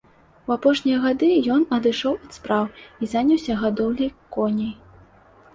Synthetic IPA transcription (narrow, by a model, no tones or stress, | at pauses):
wapɔʂnʲijɐɣad̪ɨjɔnɐd̪ɨʂɔwɐt̪spɾawizanʲɐwsʲɐɣad̪ɔwlʲɐjkɔnʲɐj